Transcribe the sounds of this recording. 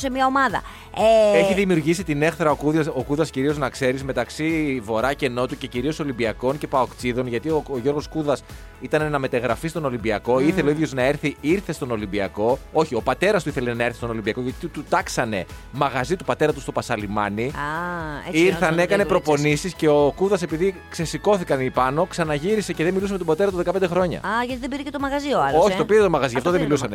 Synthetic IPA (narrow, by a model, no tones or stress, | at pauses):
semɐomɐðɐ̰ | eeçiðimiuɾʝisit̪ine̞xθɾɐokuðɐso̞kuðɐsciɾio̞znɐkse̞ɾizme̞t̪ɐksivo̞ɾɐce̞no̞t̪uce̞ciɾio̞so̞limbiɐkonce̞pɐokt͡siðo̞nʝɐt̪ioʝo̞ɾɣo̞skuðɐs | it̪ɐnenɐme̞t̪ɐɣɾɐfist̪o̞no̞limbiɐko̞iθθeleoiðjo̞znɐe̞ɾθiiɾθe̞st̪o̞no̞limbiɐko̞o̞çio̞pɐt̪e̞ɾɐst̪uiθele̞nɐeɾθist̪o̞no̞limbiɐko̞ʝɐt̪it̪ut̪ɐksɐne̞̰ | mɐɣɐzit̪upɐt̪e̞ɾɐt̪ust̪o̞pɐsɐlimɐni | iɾθɐneekɐne̞pɾo̞ponisisce̞okuðɐse̞piðikse̞siko̞θikɐnipɐno̞ksɐnɐʝiɾise̞ceðemilusemet̪obɐt̪e̞ɾɐt̪uðekɐped̪e̞xɾo̞ɲɐ̰ɐʝɐt̪iðebiɾecet̪omɐɣɐzioɐloçit̪opiɾet̪o̞mɐɣɐzioɐft̪oðemilusɐne